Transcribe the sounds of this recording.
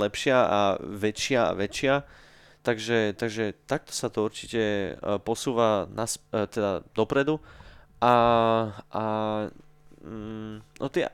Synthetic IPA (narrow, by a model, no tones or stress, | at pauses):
ɛpʃɪaa̰ʋɛt͡ʃɪaa̰ʋɛt͡ʃɪa | t̪aɡʒɛt̪aɡʒɛt̪ak̚t̪ɔ̥sat̪ɔuɾt͡ʃicɛpɔsuːʋanast̪ɛd̪ad̪ɔpɾɛd̪uʔa | a | nʔɔt̪ɪɛ̰